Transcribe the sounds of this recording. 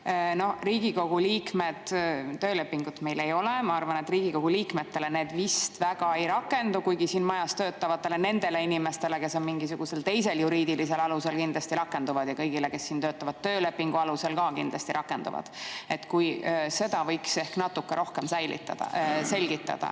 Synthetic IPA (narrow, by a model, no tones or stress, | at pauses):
no̞hriːɡ̥iko̞ɡ̥uliːkmed̪̥ːø̞ːle̞pːiŋɡ̥ut̪me̞jle̞jo̞lemɑɑrvɑne̞t̪riːɡ̥iko̞ɡ̥uliːkme̞t̪ːe̞lene̞ːd̪vist̪væɡ̥ɑe̞jɾɑkːˑe̞nd̪ukujɡ̥isiːnmɑjɑst̪øːt̪ːˑɑvɑt̪ːˑe̞le̞ne̞nd̪̥e̞le̞inime̞st̪e̞le̞ke̞so̞nmiŋɡis̬uɡ̥use̞lt̪e̞jse̞ljuɾiːd̪ilise̞lɑluse̞lkind̪lɑst̪iɾɑkːˑe̞nd̪uvɑd̪̥jɑkɤjɡ̥ile̞ke̞sːiːnt̪øːt̪ːˑɑvɑd̪̥̚t̪ːøːle̞pːiŋɡ̥uɑluse̞lkɑkind̪lɑst̪iɾʔɑkːˑe̞nd̪ṵvɑ̰d̪̥e̞t̪kujse̞d̪̥ɑvɤjkse̞hknɑt̪ːukːeɾo̞hkemsæjlḭt̪ːɑ̰d̪̥ɑ̰se̞lʲɡ̥it̪ːˑɑ̰d̪̥ɑ̰